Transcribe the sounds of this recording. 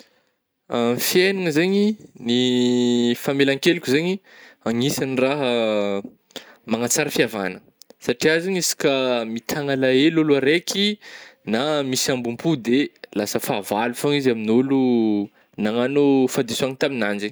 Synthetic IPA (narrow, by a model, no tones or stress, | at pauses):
amfjenaŋəzeɲini | famelaŋkelukʲuzeɲiaŋisaniraɦə | maŋat͡saɾəfiava̰nə | saʈ͡ʂiazaɲisi̥kəmit̪ʰaŋalaeluluaɾekʰinamisambumpud̪elasəfaːvalufaŋizaminolu | naŋanufad̪isuaŋit̪aminanzeɲ